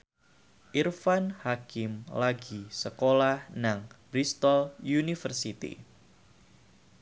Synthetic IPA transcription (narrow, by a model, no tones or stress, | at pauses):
ʔirfanhakɪmlaɡisəkolahnaŋb̥ɾist̪ɔljunifərsit̪ḭ